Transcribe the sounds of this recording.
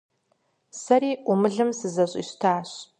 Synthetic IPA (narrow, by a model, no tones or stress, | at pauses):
sɐɾiːʔʊmɨɮɨmsɨzɐɕʼḭːɕtʰaːɕ